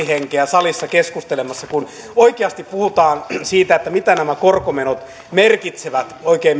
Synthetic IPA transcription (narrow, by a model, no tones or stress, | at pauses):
iheŋkeæsɑlisːɑkeskust̪elemɑsːɑkun | oikeɑst̪ippuhut̪ɑːnsiːt̪æet̪ːæmit̪ænæmækorkomenot̪ | merkit̪seʋæt̪oikeːm